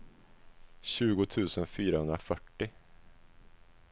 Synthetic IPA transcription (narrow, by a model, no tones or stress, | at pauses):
ɕʉ̟ːɡʊt̪ʰʉ̟ːsənfyːɾahɵnd̪ɾafœʈːɪ